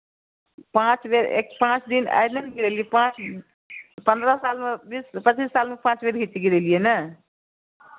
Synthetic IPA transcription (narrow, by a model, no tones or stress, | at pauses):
pãt͡sbeɾḛkpãt͡ʃd̪ina̰jnʌniɡiɾelijepãt͡s | pʌnd̪ɾʌsalmabispət͡ʃisːalmapãt͡ʃbeɾɡʱit̪iɡiɾelijenʌ